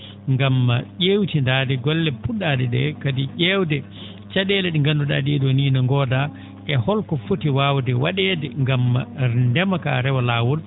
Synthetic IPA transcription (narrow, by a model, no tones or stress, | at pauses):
ŋɡamːaʄewtindaːdɛɡɔlːɛpuɗadɛɗɛ̰kadiʄɛwdɛ | t͡ʃaɗɛlɛɗiŋɡanduɗa̰diɗɔniːnaŋɡɔːda | ʔɛhɔlkɔfutiwawdɛwaɗɛdɛŋɡamːa̰ndɛmaka̰ɾɛwalaːwɔl